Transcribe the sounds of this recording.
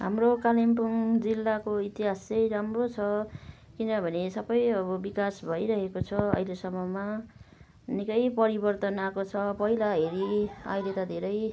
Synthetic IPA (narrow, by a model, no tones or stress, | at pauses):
ɦamrokalimpuŋd͡zilːakoit̪iɦasʌjɾamrot͡sʰʌkinʌbʱʌnesʌbʌjʌbʌbikasbʱʌjɾʌɦekot͡sʰʌʌ̰ɦilesʌmːʌma | nekʌjpʌɾibʌrt̪ʌnakot͡sʰʌpʌɦilaɦeɾiʌ̰jlet̪ʌd̪ʱeɾʌj